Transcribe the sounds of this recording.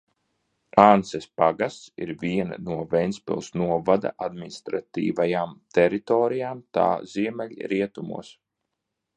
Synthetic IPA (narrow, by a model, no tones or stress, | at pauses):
ansɛspaɡast̪sḭɾvʲiɛn̰nuɔvɛjnspḭlˠsnuɔvad̪a̰ʔad̪minist̪ɾat̪ḭːvajaːmt̪ɛɾit̪ɔːɾijaːmt̪a̰ːziɛmɛlʲɾiɛt̪umṵɔs